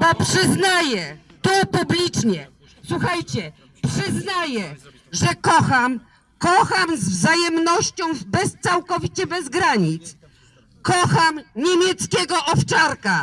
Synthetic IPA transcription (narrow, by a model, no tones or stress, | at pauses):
bɔpʂɘznajɛt̪ɔpublʲit͡ʂɲɛ | swuxajt͡ɕɛ | pʂɘznajɛ | ʐɛkɔxam | kɔxamzvzajɛmnɔɕt͡ɕɔ̃w̃bɛst̪sawkɔvʲit͡ɕɛbɛzɡɾaɲit̪s | kɔxamɲemʲjɛt̪skʲɛɡɔʔɔft͡ʂaɾka